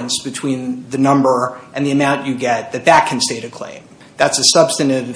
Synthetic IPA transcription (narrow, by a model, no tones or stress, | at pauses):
nsb̥ɨtʰw̥ĩnðɨnʌ̃mbə˞ʔɨ̃nðiɨmãʊ̃nt͡ʃɨɡɛt̪̚ðɨt̪̚ðɨt̚kʰɨ̃n̩steɪɾɨkʰl̥ḛ̃ɪ̃m | ðætsɨsʌb̥stɨ̃nɪv